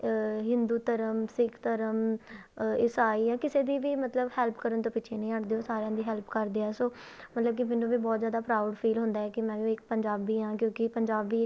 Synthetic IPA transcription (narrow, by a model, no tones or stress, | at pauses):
ɦɪ̃nd̪uːt̪əɾəmsɪkʰt̪əɾəm | ɪsaːiːjãːkɪseːd̪iːʋiːmət̪ləbhɛːlpʰkəɾənt̪õːpɪːt͡ʃʰeːnəĩːəʈd̪eːoːsaːɾejãːd̪iːɦɛːlpʰkəɾd̪eːɛːsoː | mət̪ləb̚kɪmeːnːũːʋiːbɔːt̪zjaːd̪aːpɾaːʊɖpʰiːlɦʊ̃nd̪aːɛːkɪmɛ̃ːʋiɪk̚pəɲd͡ʒaːbiːɦãːkjõːkɪpəɲd͡ʒaːbiː